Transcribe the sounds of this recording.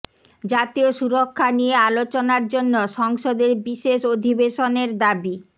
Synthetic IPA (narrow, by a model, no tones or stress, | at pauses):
d͡ʑat̪ioʃuɾokʰːaniealot͡ɕonaɾd͡ʑonːoʃɔŋʃod̪eɾbiʃeʃod̪ʱibeʃoneɾd̪abi